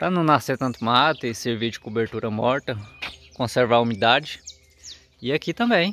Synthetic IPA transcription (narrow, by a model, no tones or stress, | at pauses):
pɾɐnɐ̃w̃naseɾt̪ɐ̃nt̪ʊmat̪eseɾviɾd͡ʒɪkobeɾt̪uɾɐmɔɾt̪ɐkõseɾvaumid̪ad͡ʒɪ | ɪakit̪ɐ̃mbẽj̃